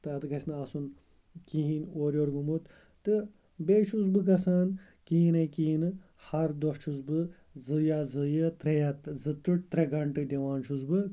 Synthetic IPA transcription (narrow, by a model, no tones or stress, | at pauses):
t̪ɨɐt̪ɨɡɐsʲnɐsun | kiɦĩnʲoːɾʲoɾɡumut̪ | t̪ɨ | beːʃʰuzbɨk̬ɐsaːn | kiːnɐkiːnɨ | hɐɾd̪oʂt͡ʃʰuzbɨ | zɨjaːzɨjɨt̪ɾɐjat̪zɨt̪ɨʈ̚t̪ɾɐɡɐɳʈɨd̪ʲeʋaːnʃuzbɨ